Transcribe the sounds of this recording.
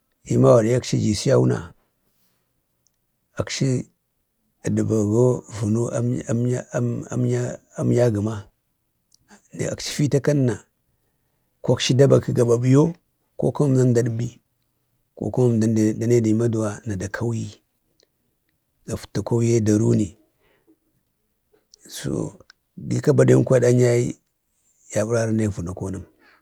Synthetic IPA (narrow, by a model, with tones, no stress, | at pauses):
i˦ma˦wa˨ɾja˦kʃi˦d͡ʒi˨si˦ja˦wu˦na̰˨ | a˨kʃi˦˨ | di˨ba˨ɡo˦vu˨no˦ | ma˦ | a˦m˦ja˦ɡə˨ma˦˨ | a̰˨kʃi̥˦fi˦ta˦ka˦nː˦a˨ | ko˦kʃi˦da˦ba˨ki˦ɡa˨ba˨bi˨jo˦ | ko̰˦ka˦m˦mna˦nda˨ɗbi˦ | ko̰˦ko˦ma˦ma˨n˨da˨ne˦di˨ma˦du˨wa˨na˨da˨kʰa˦wji˦ | ɡa˨fu̥˨ta˨ko˦wje˦da˨ɾu˦ni˨ | so̰˨ | ɡḭ˦ka˦ba˨da˦kʷa˦da˦ɲa˦i˦ | ja˨bu˦ɾa˦ɾa˦na˦˨vu˨na˨ko˦na˦m